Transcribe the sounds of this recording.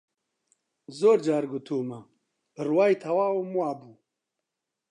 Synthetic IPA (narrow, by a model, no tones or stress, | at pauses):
zoːɾd͡ʒaːɾɡut̪ʰuːmɐ | bɨrwaːjt̪ʰɐwaːwomuaːbuː